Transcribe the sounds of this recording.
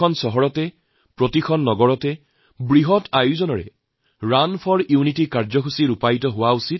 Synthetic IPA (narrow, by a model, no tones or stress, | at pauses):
ɔnsɔɦɔɹɔtɛ | pɹɔtikʰɔnːɔɡɔɹɔtɛ | bɹiɦɔtʰajuzɔnɔɹɛ̰ | ɹanpʰɔɹiunitikaɹzɔkʰusiɹupajtɔɦʊwausit̚